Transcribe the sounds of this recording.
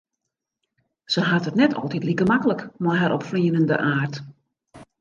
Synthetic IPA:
səɦatətnɛtʰɔ̰lˠtitlikəmakələkmɔjɦaɾʔɔpfliənəndə̰ʔaːrt

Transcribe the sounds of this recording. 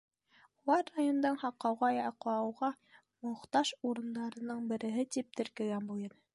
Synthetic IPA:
ulˠɑɾːajond̪ɤɴhɑqːɑwʁɑjɑqɑɑwʁɑ | mŏχt̪ɑʃuɾɤ̆nd̪ɑɾɤ̆nɤɴbɘ̆ɾɘ̆ɦɘt̪ip̚t̪ɘ̆ɾkɘ̆ɡænbuj̪ˠɤn

